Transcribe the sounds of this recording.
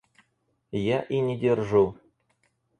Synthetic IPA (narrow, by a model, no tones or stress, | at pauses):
jaʔinʲɪdʲerʐu